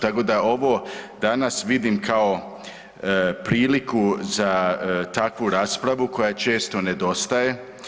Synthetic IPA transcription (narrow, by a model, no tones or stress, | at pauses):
t̪ako̞d̪ao̞ʋod̪anasʋid̪imkʰao̞ | pɾiːlikuzat̪akʋuɾaːspɾaʋuko̞jat͡ʃe̞ːst̪o̞ne̞d̪o̞st̪aje̞